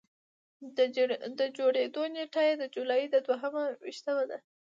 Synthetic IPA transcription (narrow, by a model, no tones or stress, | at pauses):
d̪əd͡ʒoɽed̪oneʈajed̪əd͡ʒulɑjid̪əd̪waɦəmawḭʃt̪əmad̪a